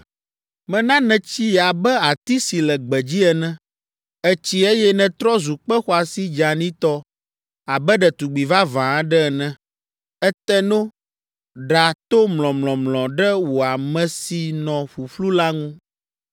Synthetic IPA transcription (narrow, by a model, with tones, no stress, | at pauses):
mɛ̃˦nã˦nɛ̃˨t͡ɕi˦ja˨bɛ˦a˨t̪i˦si˨lɛ˨ɡ͡bɛ˨d͡ʑi˦ɛ˨nɛ̃˦ | ɛ˦t͡ɕi˦e˦jɛ˦nɛ̃˨t̪ɾɔ˦zu˨k͡pɛ˦xɔ˦a˨si˦d͡ʒa˨nĩ˦t̪ɔ˦ | a˨bɛ˦ɖɛ˨t̪u˨ɡ͡bi˨va˦vã˨˦ɖɛ˦ɛ˨nɛ̃˦ | ɛ˦t̪ɛ˦no˦ | ɖa˨t̪o˦mlɔ̃˨mlɔ̃˨mlɔ̃˨ɖɛ˦wo˨a˨mɛ̃˨si˨nɔ̃˨ɸu˨ɸlu˦la˦ŋũ˦